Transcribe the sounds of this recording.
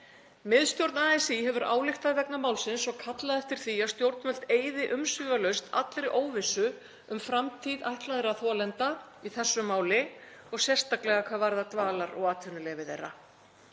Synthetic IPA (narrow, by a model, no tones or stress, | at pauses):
mɪðst̪jowɾt̪naːɛsiɦɛvʏɾʔa̰ːwlɪxt̪aðvɛknamaːwlsɪnsɔɣkʰat̪laðɛft̪ɪɾ̥θiast̪jowɾt̪nmœl̥t̪eːjðɪʔʏmsvʏːvalœɥst̪ʰa̰t̪lɾɪʔoːwvɪsːʏ | ʏmfɾamt̪ʰiðajht̪laðɪɾaθɔːlɛnt̪aiθɛsːʏmaːwlɪɔɣsjɛr̥st̪aklɛɣakʰvaːðvaɾðat̪vaːlaɾɔ̰ɣaːt̪ʰvʏnʏlɛːvɪθḛjrːa̰